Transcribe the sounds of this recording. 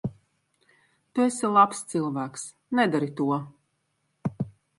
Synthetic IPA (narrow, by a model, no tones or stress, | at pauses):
t̪uɛsilˠapst̪silˠvæːks | nɛd̪aɾit̪uɔ